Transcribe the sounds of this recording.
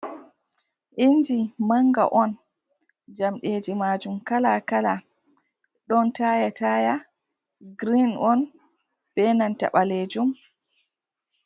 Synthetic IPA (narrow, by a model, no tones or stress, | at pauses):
ʔind͡ʒimaŋɡa̰ʔɔn | d͡ʒamɗeːd͡ʒimaːd͡ʒumkalakala | ɗɔntajataːja | ɡɾinɔn | b̥ɛnanta̰ɓaled͡ʒum